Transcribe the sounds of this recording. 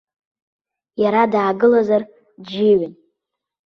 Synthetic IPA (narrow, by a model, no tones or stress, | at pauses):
jaɾadaːɡɨlazar | d͡ʒɪɥɪn